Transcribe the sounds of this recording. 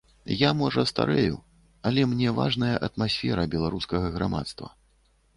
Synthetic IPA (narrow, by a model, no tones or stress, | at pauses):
jamɔʐɐst̪a̰ɾɛjṵ | ɐlʲɛmnʲɛva̰ʐnɐjɐʔɐt̪masʲfʲɛɾɐbʲɛlˠaɾuskɐɣɐɣɾama̰t̪st̪vɐ̰